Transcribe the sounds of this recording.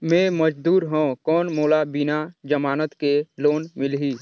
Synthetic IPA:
mẽməd͡ʒd̪uːɾɦõkɔːnmoːlabɪnad͡ʒəmaːnət̪keloːnmɪlɦiː

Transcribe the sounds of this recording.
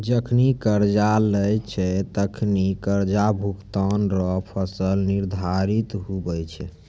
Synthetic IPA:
d͡ʒəkʰnikəɾd͡ʒaləjt͡ʃʰɛt̪əkʰnikəɾd͡ʒabʱukt̪ɔnɾɔpʰəsəlniɾd̪ʱaɾit̪ɦubɛjt͡ʃʰɛ

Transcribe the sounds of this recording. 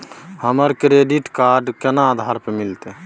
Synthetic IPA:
həməɾkɾeɖiʈkaɾɖkenaːd̪ʱaɾpemilt̪e

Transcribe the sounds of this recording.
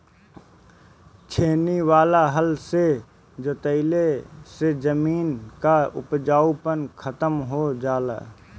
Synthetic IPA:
t͡ʃʰeːniʋaːlaɦəlse | d͡ʒot̪əɪlesed͡ʒəmiːnkaʊpd͡ʒaːupənkʰət̪əmɦod͡ʒaːla̰ː

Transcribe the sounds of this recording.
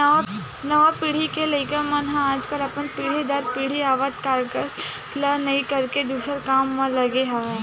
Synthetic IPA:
nɐʋapiːɽ̤ikelɐɪkəɾmɐnɦãaːd͡ʒkəlɐpənpiːɽ̤id̪ɐɾpiːɽ̤iaːʋət̪kaɾkəɾ | lɐnɐĩkɐɾked̪uːsəɾkaːmːãlɐɡeɦa

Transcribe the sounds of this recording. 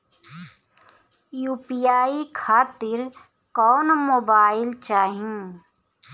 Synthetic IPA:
juːpijaːikʰaːt̪ɪɾ | kɔːnmoːbaːɪlt͡ʃaːɦĩː

